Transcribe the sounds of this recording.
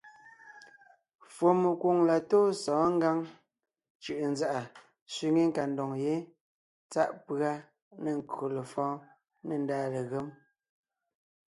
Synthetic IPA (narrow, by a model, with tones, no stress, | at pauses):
fwo˨me˨kwo˨ŋla˨toː˦sɔ̃ː˨˦ŋ˦ɡa˦ŋ | t͡ʃʉ˨ʔn˦za˦˨ʔa˨ | sɥi˨ŋe˦ŋ̩˨ka˨ndɔ˨ŋje˨˦ | t͡sa̰˦ʔpɰa˦ | ne˨ŋ̩˨ko˨le˨fɔ̃ː˦ | ne˨n̩daː˦le˨ɣe˦m